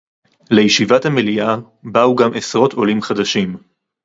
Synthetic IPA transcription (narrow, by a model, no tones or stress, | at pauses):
le̞jiʃivathamelia | bauɡamʔesʁo̞tʰo̞limχad̪aʃim